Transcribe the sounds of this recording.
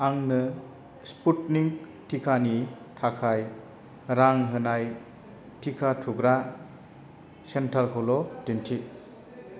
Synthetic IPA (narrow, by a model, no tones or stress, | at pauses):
aŋnɯ | sputniŋk | tʰikʰani | tʰakʰaj | ɾaŋɦɯnaj | tʰikʰatʰuɡɾa | sentʰaɾkʰɔlɔtintʰi